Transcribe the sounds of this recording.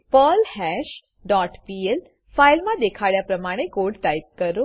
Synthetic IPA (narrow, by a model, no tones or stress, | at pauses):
pəlhɛɕ | ɖɔʈpiel | fajlmãd̪ekʰaɭjapɾəmaɽ̃ekoɽt̪ajp̚kəɾo